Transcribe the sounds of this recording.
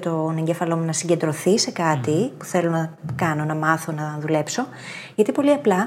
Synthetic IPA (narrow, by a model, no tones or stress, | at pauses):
t̪o̞ne̞ɲɟefɐlo̞munɐsiɲɟe̞nd̪ɾo̞θise̞kɐt̪ipu̥θelo̞nɐkɐno̞nɐmɐθo̞nɐðule̞pso̞ | ʝɐt̪ipo̞liɐplɐ